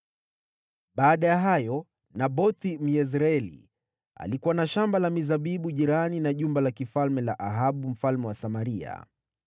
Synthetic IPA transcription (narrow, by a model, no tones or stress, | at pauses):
ɓaːɗajaɦajɔ | naɓɔθim̩jɛz̬ɾaɛlḭ | a̰likuwanaʃambalamizaɓiɓuʄiɾaninaʄumbalakifalmɛlaʔaɦaɓum̩falmɛwasamaɾia̰